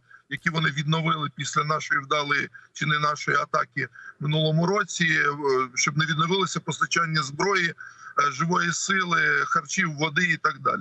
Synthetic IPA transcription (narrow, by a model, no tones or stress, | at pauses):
jɐkʲiʋɔnɪʋʲid̪nɔʋɪlˠɪpʲisʲlʲɐnɑʃɔjiwd̪ɑlˠɪjit͡ʃɪnɪnɑʃɔjiɐt̪ɑkʲimɪnulˠɔmʊɾɔt͡sʲiʃt͡ʃɔb̚nɛʋʲid̪nɔʋɪlˠɪsʲɐpɔst̪ɐt͡ʃɑnʲːɐzbɾɔjiʒɪʋɔjisɪlˠɪxɐrt͡ʃʲiwːɔd̪ɪit̪ɑɡ̚d̪ɑ̰lʲ